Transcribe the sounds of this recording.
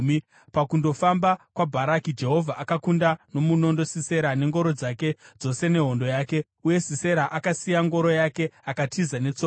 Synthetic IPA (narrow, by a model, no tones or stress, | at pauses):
mi | pakundo̞fambakwabʱaɾakid͡ʒe̞ɦo̞vʱaʔakakundano̞muno̞ndo̞sise̞ɾane̞ŋɡo̞ɾo̞d͡zake̞d͡zo̞se̞ne̞ɦo̞ndo̞jaːke̞ | uje̞sise̞ɾaʔakasijaŋɡo̞ɾo̞jake̞akatʰizane̞t͡so